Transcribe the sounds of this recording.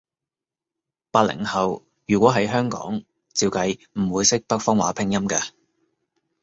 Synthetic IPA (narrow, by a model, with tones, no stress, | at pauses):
paː˧t̚lɪ̰˨˩ŋhɐ˨w | jyː˨˩kʷɔː˨˥ɦɐ˨˥jɦœː˥ŋkɔ̰ː˨˥ŋ | t͡siː˧wkɐ˧j | m̩˨˩wuː˨˧jsɪ˥k̚pɐ˥k̚fɔː˥ŋwaː˨˥pʰɪ˧ŋjɐ˥mkɐː˧